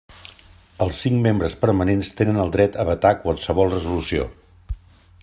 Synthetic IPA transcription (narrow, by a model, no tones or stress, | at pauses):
əlˠsːiŋmembɾəspəɾmənenst̪enənəlˠd̪ɾɛt̪əβət̪akwalˠsəβɔlˠrəzulusio̰